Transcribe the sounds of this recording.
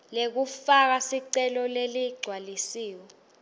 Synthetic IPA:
lek̬ufak̬asiǀɛlɔleliɡ͡ǀʱwalisiːwɛ

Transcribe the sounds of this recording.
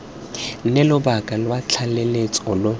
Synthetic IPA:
n̩nɛlʊbakʼalwat͡ɬʰalelet͡sʼɔlʊ

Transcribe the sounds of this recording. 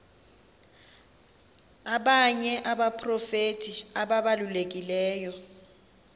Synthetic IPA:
aɓaɲɛʔaɓapʰʼrɔfetʰʼiaɓaɓalulek̬ʼilɛːjɔ

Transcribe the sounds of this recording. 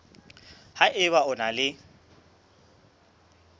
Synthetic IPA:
haʔɪβaʊnalɪ

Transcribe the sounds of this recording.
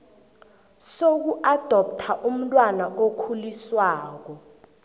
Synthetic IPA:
sok̬uʔad̥ʱɔp̚tʰaʔum̩tʼwanaʔokʰuliswaːk̬ɔ

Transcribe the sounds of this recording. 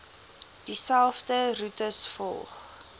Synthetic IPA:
d̥isælˠfdərutəsfɔ̰lˠχ

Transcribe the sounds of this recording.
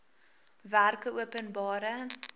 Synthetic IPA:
værkəuəpənbɑːɾə

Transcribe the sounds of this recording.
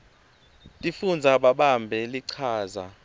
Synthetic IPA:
tʼifund͡zʱaɓaɓambʱɛliǀʰaːza

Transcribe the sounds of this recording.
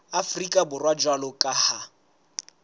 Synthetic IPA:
afrikʼabʊrwad͡ʒwalɔkʼaha

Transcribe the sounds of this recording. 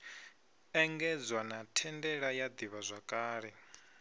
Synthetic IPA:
ɛŋɡɛd͡zwanatʰɛndɛɺajad̪iβazʷakʼaːɾɛ

